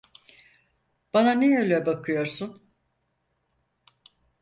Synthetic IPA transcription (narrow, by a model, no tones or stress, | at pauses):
b̥ananeøjlʲɛbakʰɯjo̞ɾsun